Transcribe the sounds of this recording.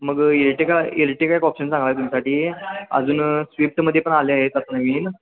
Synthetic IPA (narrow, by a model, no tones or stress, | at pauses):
məɡelʈekaelʈekaɦikɔpɕənsãŋɡʋajt̪umisaʈiːə̰d͡zuːnsʋip̚ʈməd̪ʱjepəɳaleaɦet͡sat̪naʋiːn